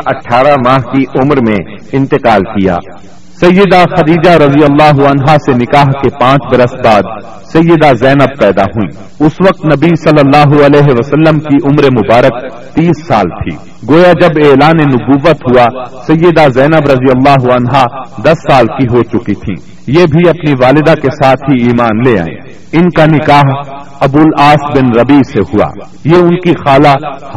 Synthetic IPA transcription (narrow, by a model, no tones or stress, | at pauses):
ʔɐʈʰːaːɾamaːɦkiʔʊmɾmẽ | ɪ̃nt̪ɪqaːlkija̰ː | sɐjːəd̪axɐd̪iːd͡ʒaɾɐzijəlːaːɦuɐnɦasenɪkaːɦkepãːt͡ʃbɐɾəsbaːd̪ | sɐjːəd̪azɛːnəb̚pɛːd̪a̰ɦuḭ̃ː | ʊsʋɐq̚t̪nɐbisɐlːəlːaːɦuɐlɛːɦeʋəsəlːəmkiʔʊmɾemʊbaːɾək̚ | t̪iːsːa̰ːlt̪ʰḭː | ɡoːjad͡ʒɐbeːlaːnenʊbuːʋːət̪ɦuasɐjːəd̪azɛːnəbɾɐzijəlːaːɦʊɐnɦad̪ɐsːaːlkiɦot͡ʃʊkit̪ʰḭ̃ː | jeːbʱiɐpniʋaːlɪd̪akesaːt̪ʰɦiiːmaːnlea̰ːḛ̃ː | ɪnkanɪkaːɦ | ɐbuːlaːsbɪnɾɐbiːsehua̰ː | jeʊnkixaːla